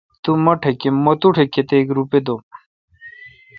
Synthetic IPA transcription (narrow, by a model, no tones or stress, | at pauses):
t̪umɐʈʰekemot̪uʈʰeket̪eːkɾuped̪om